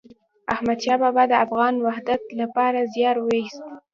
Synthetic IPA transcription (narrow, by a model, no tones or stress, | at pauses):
ahmad̪ʃɑbabad̪əafɣɑnwahd̪at̪lapɑɾazjɑɾwəist̪